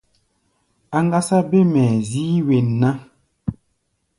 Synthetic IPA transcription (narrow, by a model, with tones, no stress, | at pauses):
a˨ŋɡa˦sa˦be˦mɛ˨ziː˦we˨nː˨a˦